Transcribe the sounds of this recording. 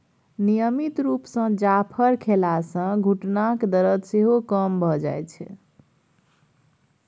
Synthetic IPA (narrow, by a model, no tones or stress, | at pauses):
nijəmit̪ɾupsə̃d͡ʒapʰəɾkʰelasə̃ɡʱuʈnakd̪əɾət̪seɦokəmbʱɔd͡ʒa̰jt͡ʃʰɛ̰